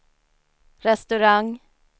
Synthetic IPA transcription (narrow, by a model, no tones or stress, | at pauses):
ɾɛst̪ʉɾaŋ